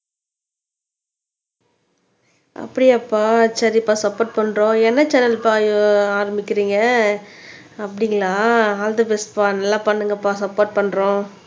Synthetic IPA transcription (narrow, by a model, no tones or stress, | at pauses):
ʔɐ̰pːɐɽɪɐpːaːsɐɾɪpːaːsɐpːoːɾʈ̚pɐɳɾõːɛnːɐt͡ʃɛnɐlpaːjaːɾɐmbɪkːɪɾiːŋɡɐ | ɐpːɐɽɪŋɡɐlaːaːld̪ɐbɛspaːnɐlːãːpɐɳːɯŋɡɐpːaːsɐpːoːɾʈ̚pɐɳːɾõː